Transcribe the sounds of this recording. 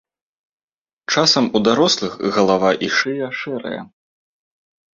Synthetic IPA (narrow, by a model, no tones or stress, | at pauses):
t͡ʂasɐmud̪aɾɔslˠɨxɣɐlˠavaʔiʂɨjɐʂɛɾɐ̰jɐ̰